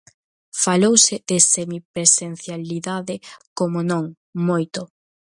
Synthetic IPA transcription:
falowsɪðesemipɾesen̟θjaliðaðɪkomʊnõŋ | mojt̪ʊ

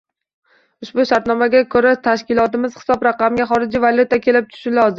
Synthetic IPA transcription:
ʊʃbʊʃaɾt̪nɒmaɡʲakʰoɾat̪ʰaʃkʲɪlˠɒt̪ɪmɪz̥hɪ̥sɒbɾɑqɑmɡʲaχɒɾɪd͡ʒivaljut̪akʲʰe̞lɪp̚t̪ʰʊ̥ʃɪlɒzɪ

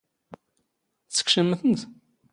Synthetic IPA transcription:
θt͡sːə̥kʃəməθənt̪

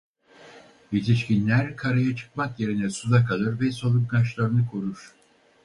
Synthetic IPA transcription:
jit̪ʰiʃcinlʲæɾkʰaɾajat͡ʃʰɯ̥k̚makje̞ɾinɛsuzakʰalˠɯɾvɛsolˠup̚ɡaʃlˠaɾɯnɯkʰoɾuɾ̥

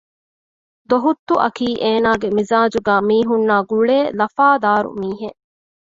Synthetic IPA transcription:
d̪oɦut̪ːuʔɐkiːʔeːnaːɡemizaːd͡ʒuɡæːmiːɦunːaːɡuɭeːlɐfaːd̪aːɾṵmiːɦeʔ

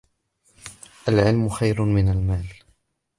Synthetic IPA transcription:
ʔalʕɪlmʊxajɾʊmɪnalmaːl

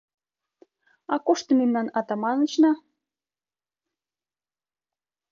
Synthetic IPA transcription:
ɑkoʃt̪ə̆memnɑnɑt̪ɑmɑnət͡ɕnɑ

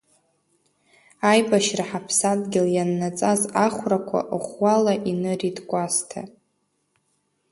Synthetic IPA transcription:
ajbaʃraħapʰsadɡʲɪljanːat͡sʼazaχʷrakʷʰa̰ʔəχʷwalaʔinɨridkʷʼastʰa̰

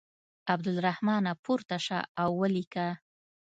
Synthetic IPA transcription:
abd̪ɪlɾahmɑnapuɾt̪aʃa̰awːəlika

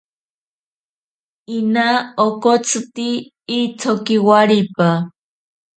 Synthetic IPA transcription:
inaokot͡sʰɨt̪iː | t͡sʰokiwaɾipa

